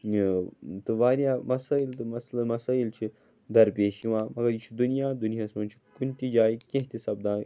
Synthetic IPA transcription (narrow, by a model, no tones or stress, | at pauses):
t̪ɨʋaːɾjaːmɐsaːilt̪ɨmɐslɐnmɐsaːilt͡ʃʰi | d̪ɐɾpeːʃiʋãːmɐɡɐɾjit͡ʃʰid̪unijaːd̪unjaːsmɐnt͡ʃʰi̥kunt̪id͡ʒaːikẽɦt̪isɐbd̪ãː